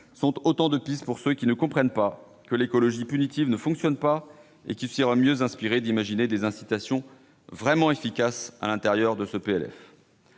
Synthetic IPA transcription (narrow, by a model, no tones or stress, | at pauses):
sɔ̃t̪ot̪ɑ̃d̪əpispuʁsøkʲinəkɔ̃pχɛnpa | kəlekɔlɔʒipynit̪ivnəfɔ̃ksjɔnpa | ḛkʲisiʁamjøzɛ̃spiʁed̪imaʒined̪ezɛ̃sit̪asjɔ̃ | vʁɛmɑ̃efikʲasa̰lɛ̃t̪ɛʁjœʁd̪əsəpeɛlɛ̰f